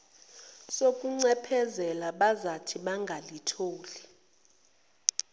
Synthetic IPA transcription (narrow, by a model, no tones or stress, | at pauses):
sokʼuŋ͡ǀɛpʰɛzɛlaɓazatʰiɓaŋɡʱalitʰoːli